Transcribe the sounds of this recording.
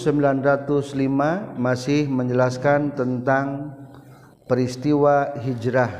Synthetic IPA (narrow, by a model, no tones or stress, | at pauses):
səmbilanrat̪ʊslimamasɪhməɲd͡ʒəlaskant̪ənt̪aŋ | pəɾist̪iwaɦid͡ʒɾah